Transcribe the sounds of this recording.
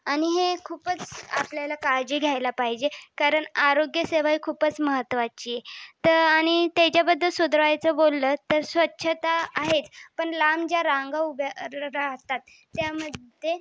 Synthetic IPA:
aɽ̃iɦekʰuːpət͡sapljalakaɾd͡ʑiːɡʱjajlapaɦid͡ʑekaɾəɳaɾoɡjəseʋaikʰuːpət͡sməɦət̪ːʋat͡ɕijet̪əañit̪at͡ɕjabəd̪ʱːəlsud̪ɾəʋajt͡səbolːət̪əɾsʋətːɕʰət̪aːɦet͡spəɳlamd͡ʑjaɾaŋɡaubɾaɦt̪at̪ː | jaməd̪ʱje

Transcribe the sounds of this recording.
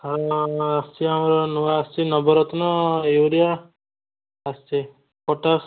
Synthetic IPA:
aɾɔast͡ʃiamɾɔnuwaːst͡ʃinɔbɔɾɔt̪ɔnɔewɾija | st͡ʃi | pɔʈas

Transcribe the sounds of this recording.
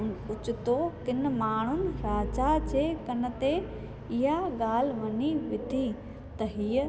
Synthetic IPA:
nʊt͡ɕɪt̪okɪn̆maːɳ̤ʊnɪ̆ɾaːd͡ʑad͡ʑeːkɐnə̆t̪e | ɪɦaɠaːl̤ʋɐɲiʋɪd̪ʱi | t̪ɐɦiːə

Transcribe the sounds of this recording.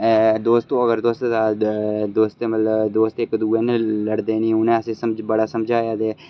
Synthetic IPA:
d̪oːst̪õːəɡəɾd̪oːst̪ːd̪aːd̪oːst̪emət̪ləbd̪oːst̪ɪkd̪uːeːnləɽd̪eːnĩːʊnẽːəsẽːsəmd͡ʒbəɽaːsəmd͡ʒʱaːjaːd̪eː

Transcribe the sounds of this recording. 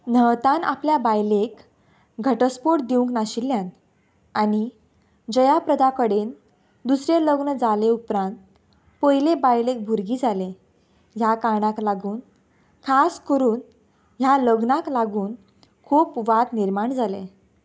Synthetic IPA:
nəʋt̪ãna̰pljabajlek | ɡʱəʈəspoʈ̚d̪iũŋknaɕilːjan | añi | d͡ʑəjapɾəd̪akəɽen | d̪usɾeləɡnəd͡zaleupɾãnt̪ | pəjlebajlek̚bʱuɾɡiːd͡zale | ɦjakaɳaklaɡuːn | kʰaskəɾuːn | ɦjaləɡnaklaɡuːn | kʰuːpʋat̪niɾmaɳd͡zale

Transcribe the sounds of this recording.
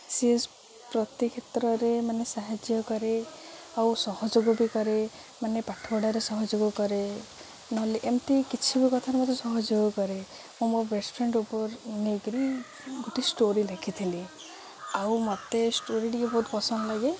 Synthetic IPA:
sies | pɾɔt̪ikʰet̪ɾɔɾemanesaɦad͡ʒjɔkɔɾeawsɔhɔd͡ʒoɡɔbikɔɾe | manepaʈʰɔbɔɽaɾesɔɦɔd͡ʒoɡɔkɔɾe | nɔɦliʔemt̪ikit͡ʃʰibikɔt̪ʰaɾemɔt̪esɔɦɔd͡ʒoɡɔkɔɾe | mũmobesʈpʰɾeɳɖupɔɾneɡɾi | ɡoʈisʈoɾiɾakʰit̪ʰili | awmɔt̪esʈoɾiʈiebɔɦut̪bɔsɔnlaɡe

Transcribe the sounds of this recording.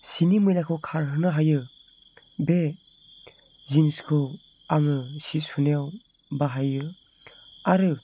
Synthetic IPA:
sinimɯjlakʰɯwkʰaɾɦɯnɯɦajɯ | be | zinskʰɯw | aŋɯsisunejaw | baɦajɯ | aɾɯ

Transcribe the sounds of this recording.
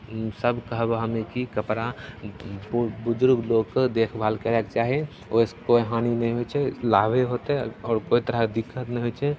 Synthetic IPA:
səbkəɦbɦɐmẽkikɐpɾa | bʊd͡ʒʊɾɡloːɡ̚kəd̪eːkʰbʱaːlkeɾekt͡ʃaːɦe | oskoːiɦaːninɐɦĩɦot͡ʃʰɛlaːbeɦoːt̪eɦɛɔːɾkoːit̪əɾad̪ɪkʰːət̪nə̃ɦot͡ʃʰe

